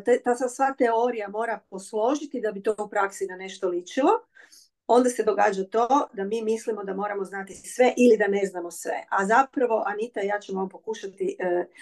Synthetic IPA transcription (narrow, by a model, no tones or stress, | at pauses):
t̪et̪asasʋaːt̪eo̞ɾijamo̞ːɾapo̞slˠo̞ʒit̪id̪abit̪oupɾaksid̪ane̞ʃt̪olit͡ʃilo̞ | o̞nd̪ased̪o̞ɡaːd͡ʒat̪o̞d̪amiːmislimo̞d̪amo̞ːɾamo̞znat̪isʋe̞ʔilid̪aneznamo̞sʋḛʔazapɾaʋo̞ʔanit̪ajaːt͡ɕemompo̞kuːʃat̪iʔə